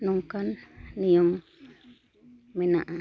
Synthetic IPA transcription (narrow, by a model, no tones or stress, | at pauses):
nuŋkanːijom | menaʔa